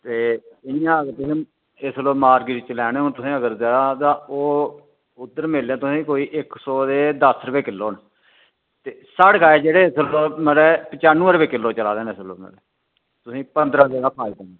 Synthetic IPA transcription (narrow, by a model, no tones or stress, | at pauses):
t̪eːɪjãːəɡəɾt̪ʊsĩː | ɪsloːmaːɾɡɪɾit͡ʃlɛːnẽːɦʊnt̪ʊsĩːəɡəɾzaːaːt̪ãːoː | ʊd̪əɾmeːlːãːt̪ʊsĩːkoːiːʔɪksɔːd̪eːd̪əsɾəpeːkɪlːoːn | t̪eːsaɽɡaːeːd͡ʒeːɽeːɪsloːməlɛːpət͡ʃaːnũːəɾpeːkɪlːoːt͡ʃəlaːd̪eːneslo̰ːmə̰lɛː | t̪ʊsĩːpənd̪ɾãːzeːɡaːpʰaːikəne